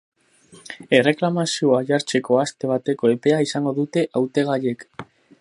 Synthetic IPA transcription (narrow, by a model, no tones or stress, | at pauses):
e̞re̞klamasioaʝaɾt͡se̞ko̞ast̪e̞β̞at̪e̞ko̞e̞pe̞aisaŋɡo̞ðut̪e̞ʔawt̪e̞ɣaʎe̞k